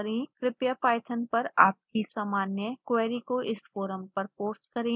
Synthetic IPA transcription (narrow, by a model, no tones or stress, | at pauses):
ɾẽkɾɪpjapaːɪt̪ʰənpɐɾaːp̚kisaːmaːnjəkweːɾikoʔɪsfoːɾəmpɐɾpoːt͡ʃkɐɾẽː